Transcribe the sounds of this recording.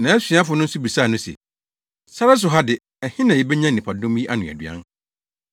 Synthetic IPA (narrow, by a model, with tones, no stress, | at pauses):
nã˨ɛ˦sĩ˨˦a˦fʊ˨˦nʊ̃˦n̩˦su˦bi˨sa˦˨nʊ̃˦sḛ˨ | sa˦ɾa˦s̬ʊ˨ɦa˦dɪ˨ | ɛ˨hɪ̃˦nã˨jɛ˨bɛ˦ɲã˦nĩ˨pʰa˨dʊ̃˦m˦ji˦ʔa˦nʊ̃˨æ̰˨dɥ̰ã̰˦n